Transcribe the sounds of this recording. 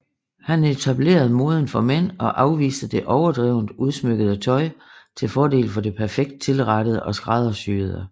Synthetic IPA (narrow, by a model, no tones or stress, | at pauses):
hænet͡sʰæb̥le̝̰ːɐð̞̩ˠmo̝ːð̞ˠən̩fɒ̽men̰ɒ̽ʔɑ̈ʊʋḭːsd̥əd̥e̝ʔɒʊɐd̥ʁɛʊnd̥uð̞ˠsmøɡ̥əðˠət͡sʰɒ̽ɪt͡sʰe̝lfɒːd̥e̝̰ːlfɒ̽d̥e̝pʰæɐfeɡ̥̚d̥ə̥t͡sʰe̝lʁɑd̥əð̞̩ˠəʔɒ̽sɡ̥ʁɑ̈ð̞ˠɐsyːð̩ˠə